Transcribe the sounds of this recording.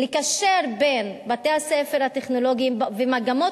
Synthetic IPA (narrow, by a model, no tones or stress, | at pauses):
likaʃeʁbenbatehasefeʁhateχno̞lo̞ɡimvemaɡamo